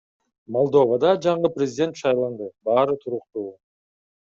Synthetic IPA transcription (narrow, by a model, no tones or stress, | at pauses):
mo̞lˠd̪o̞vad̪ɑd͡ʒɑɴɯprʲɪzʲɪdʲe̞nt̪ʃɑjlˠɑnd̪ɯbɑːɾɯt̪ʰuɾuqt̪uː